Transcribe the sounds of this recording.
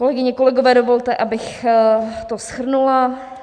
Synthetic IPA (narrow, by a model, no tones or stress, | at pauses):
ko̞lɛɡɪɲɛko̞lɛɡo̞vɛːdovo̞lt̪ɛʔabɪx | t̪osxr̩nula